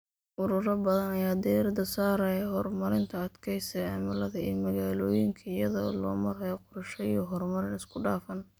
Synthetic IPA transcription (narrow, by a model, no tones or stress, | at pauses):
ʔʊɾʊɾɐbɐðɐnɐjaːd̪ɛɐrd̪ɐsaːɾɐɛɦɔrmɐɾɪnt̪ʰɐɐd̪kʰɛjsɛjʕa̰mɐlɐðɐḭːmɐɣaːlɔːjɪŋkʰɐɪjɐðɔ̰ːlɔ̰ːmɐrɦɐjɔqʊɾɐʃɐiɔɦɔrmɐɾɪnɪskʰʊɖaːfɐn